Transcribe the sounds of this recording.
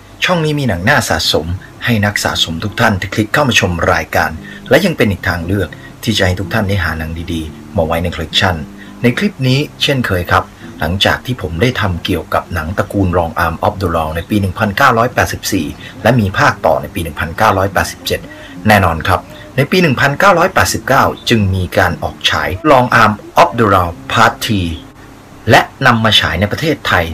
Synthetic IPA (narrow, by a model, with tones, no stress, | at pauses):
t͡ɕʰɔ˥˩ŋniː˦˥miː˧na˩˦ŋnaː˥˩sa̰ː˨˩so̰˩˦m | ha˥˩jna˦˥k̚sa̰ː˩so˩˦mt̪ʰu˦˥k̚t̪ʰa˥˩nt̪ʰe˦˥kʰli˦˥kʰːaː˥˩wmaː˧t͡ɕʰo˧mɾaː˧jka̰ː˧nlɛ˦˥ja˧ŋpe˧nʔiː˨˩k̚t̪ʰaː˧ŋlɯ˥˩ək̚ | t̪ʰiː˥˩t͡ɕa̰˨˩ʔha˥˩t̪ʰu˦˥k̚t̪ʰa˥˩nda˥˩jɦaː˩˦na˩˦ŋdiː˧diː˧ | maː˧wa˦˥jna˧jkʰo˧i˦˥k̚t͡ɕʰa˥˩nː | a˧jkʰli˦˥p̚niː˦˥t͡ɕʰe˥˩nkʰɤː˧jkʰɾa˦˥p̚la̰˩˦ŋt͡ɕa̰ː˨˩k̚t̪ʰiː˥˩pʰo˩˦mda˥˩jt̪ʰa˧mki˨˩əwka˨˩p̚na˩˦ŋt̪a˧kuː˧nɾɔː˧ŋʔaː˧mʔɔ˦˥p̚doː˧lɔː˧wna˧jpiː˧nɯ˨˩ŋpʰa˧nkaː˥˩wɾɔː˦˥jpɛː˨˩t̪̚si˨˩p̚siː˨˩lɛ˦˥miː˧pʰaː˥˩k̚t̪ɔ̰ː˨˩na˧jpiː˧nɯ˨˩ŋpʰa˧nkaː˥˩wɾɔː˦˥jpɛː˨˩t̪̚si̥˨˩p̚t͡ɕe˨˩t̪̚ | nɛː˥˩nɔː˧nkʰɾa˦˥p̚ | na˧jpiː˧nɯ˨˩ŋpʰa˧nkaː˥˩wɾɔː˦˥jpɛː˨˩t̪̚si˨˩p̚kaː˥˩wt͡ɕɯ˧ŋmiː˧kaː˧nʔɔ̰ː˨˩k̚t͡ɕʰa̰ː˩˦jɾɔː˧ŋʔaː˧mʔɔ˦˥p̚doː˧ɾaː˧wpʰaː˦˥t̪ʰːiː˧ | lɛ˦˥ʔna˧mːaː˧t͡ɕʰa̰ː˩˦jna˧jpɾa˧t̪ʰeː˥˩t̪ʰːa˧j